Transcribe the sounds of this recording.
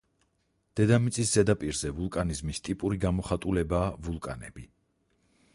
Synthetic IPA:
d̪̥ɛd̪amit̪sʼisz̥ɛd̪apʼiɾzɛvulˠkʼanizmist̪ʼipʼuɾiɡamɔχat̪ʼulɛbaːvulˠkʼa̰nɛ̰bi

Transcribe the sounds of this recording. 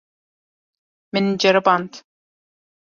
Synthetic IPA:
mɪnd͡ʒaɾbant̪

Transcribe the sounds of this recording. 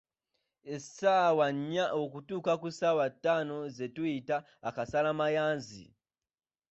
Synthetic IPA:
ɛsawaɲawokutukakusawatanɔzetuita | akasalamajaːnzḭ

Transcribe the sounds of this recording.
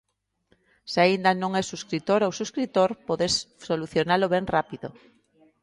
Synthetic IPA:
seaind̪anõŋɛsuskɾit̪oɾowsuskɾit̪oɾpoðessoluθjonaloβɛŋrapiðo̰

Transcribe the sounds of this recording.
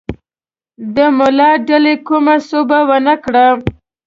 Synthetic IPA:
d̪əmʊlɑɖalekumasobawənakɽa

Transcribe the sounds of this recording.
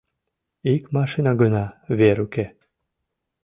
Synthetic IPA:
ikmɑʃinɑɡənɑβeɾuke

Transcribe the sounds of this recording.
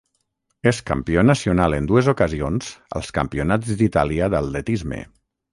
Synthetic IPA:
eska̰mpiɔnəsiunalənd̪uezukəzionz̥ə̰lˠskə̰mpiunad͡zd̪it̪aliəðalˠːet̪izmḛ

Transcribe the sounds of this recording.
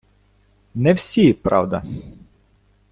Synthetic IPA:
nɛwsʲipɾɑ̰wd̪ɐ

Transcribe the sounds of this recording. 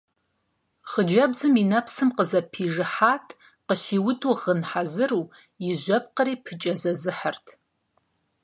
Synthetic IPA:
χəd͡ʒɐbzɨminɐpʰsɨmqəzɐpʰiʐɨħaːtʰ | qəʃiwʊtʰʼuʁənħazɨru | jiʒʷɐp̚qəɾiːpʰɨt͡ʃʼɐzɐzɨħartʰ

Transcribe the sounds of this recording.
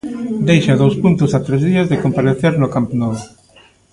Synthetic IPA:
d̪ejʃaðowspunt̪ʊsat̪ɾezðiɐzðekompaɾeθeɾnʊkamponɔβo

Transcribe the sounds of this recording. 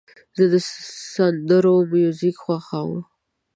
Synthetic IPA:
zəd̪əsand̪əɾomjuzikxwaxawə̰m

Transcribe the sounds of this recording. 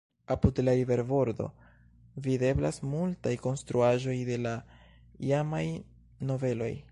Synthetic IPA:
apudlaɾive̞ɾbo̞ɾdo̞̰ | vide̞blasmultajko̞nst̪ɾuaʒo̞jde̞la | iamaj | no̞ve̞lo̞̰j

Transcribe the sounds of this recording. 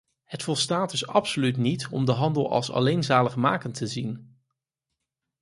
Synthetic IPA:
ɦətfɔlˠstaːt̚dɵsɑpsolytnitɔmdəɦɑndəlˠɑ̰lˠsɑ̰lejnzaːləχma̰ːkəntəzin

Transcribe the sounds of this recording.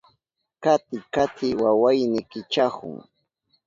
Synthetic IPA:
kat̪ɪkat̪ɪwawajnɪkɪt͡ʃahʊ̰ŋ

